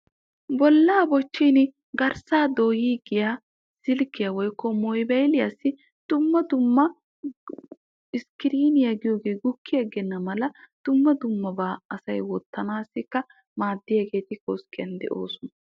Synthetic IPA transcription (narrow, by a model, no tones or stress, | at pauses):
bɔlːaːbɔt͡ʃːin | ɡɐɾsaːd̪oːjiːɡɪjaː | sɪlkːɪjawɔjkːɔmɔjbɛjlɪjasːɪ | d̪̥ʊmːɐd̪ʊmːɐ | ɪskɪɾiːnɪjaɡɪjo̞ːɡe̞ːɡʊkʰːɪjaɡɛnːɐmɐlɐd̪̥ʊmːɐd̪ʊmːɐbaːɐsɐjwɔt̪ːɐnaːsːɪkːɐ | maːd̪ːɪjɐɡe̞ːt̪ɪkoːskɪjɐ̰nd̪ɛ̰ʔo̞̰ːsʊnɐ